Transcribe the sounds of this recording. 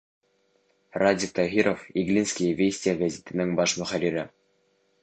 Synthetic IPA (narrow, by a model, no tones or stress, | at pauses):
radʲik̚t̪ɑɦʲiɾofiɡlʲinsʲkʲijvʲesʲtʲijaɡazʲet̪ʲɘ̆nʲɘŋbɑʂmŏχælʲiɾʲɘ